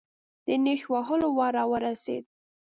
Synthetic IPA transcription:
d̪̥əneʃwɑɦəlowɑɾɑwəɾasḛd̪̚

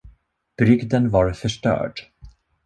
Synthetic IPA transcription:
b̥ɾʏɡd̪ənvaɾfœʂʈœ̰ːɖ

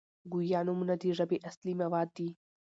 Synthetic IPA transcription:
ɡujaːnumʊnɐt̪iʐabiʔɐslimɐwaːd̪ːi

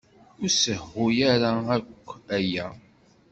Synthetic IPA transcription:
ʊɾsəhːʊjaɾaækʷːæjæ

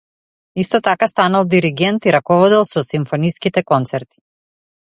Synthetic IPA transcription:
ist̪ɔt̪akast̪analˠd̪iɾiɡɛnt̪iɾakɔvɔd̪ɛlˠsɔsimfɔniskit̪ɛkɔnt̪sɛɾt̪i̥

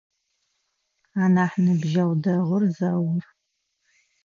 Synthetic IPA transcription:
aːnaːħnɨbʒɐwdɐʁərzawʊr

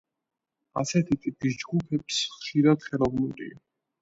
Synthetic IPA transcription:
a̰sɛt̪ʰit̪ʼipʰis̬d͡ʒɡupʰɛpsχʃiɾad̪̥χɛlˠɔvnuɾḭa

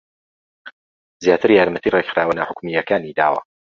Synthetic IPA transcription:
zjaːt̪ʰɨɾjaːɾmət̪ʰiːreχɾaːwɐnɐħʊkmijɐkaːnid̪a̰ːwa̰

